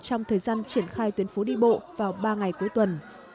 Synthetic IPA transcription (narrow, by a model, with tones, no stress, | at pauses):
t͡ɕɔ˧wŋ͡mt̪ʰəː˨˩jzaː˧nt͡ɕi˧˩ənxaː˧jt̪wi˨˦ənfo˨˦ɗḭ˧ɓo̰˧˨vaː˨˩wɓaː˧ŋa˨˩jku˨˦əjt̪wə˨˩n